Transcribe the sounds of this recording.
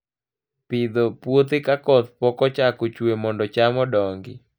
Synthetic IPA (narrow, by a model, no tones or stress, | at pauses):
pɪd̪opwot̪ɪkakɔt̪pɔkɔt͡ʃakot͡ʃwemɔndɔt͡ʃamɔdɔŋɡɪ